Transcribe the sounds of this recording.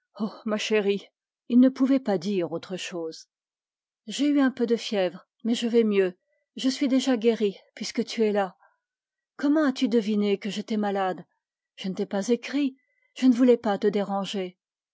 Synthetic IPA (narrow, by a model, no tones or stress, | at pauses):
omaʃeʁi | ilnəpuvɛpad̪iʁot̪χəʃoːz | ʒeyɛ̃pød̪əfjɛvʁ | mɛʒəvɛmjø | ʒəsɥid̪eʒaɡʲeʁipɥiskət̪ʰyɛla | kɔmɑ̃at̪yd̪əvinekəʒet̪ɛmalad̪ | ʒ̥ənet̪ɛpazekχi | ʒ̥ənəvulɛpat̪əd̪eʁɑ̃ʒe